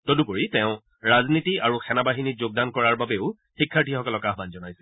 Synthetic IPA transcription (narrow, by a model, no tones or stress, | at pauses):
tɔdupoɹitɛ̃ʊ̃ | ɹaznitiaɹuxʰɛnabaɦinizoɡ̚dankɔɹaɹbabeʊ | xikʰːaɹtʰixɔkɔlɔkaɦbanzɔnajsɛ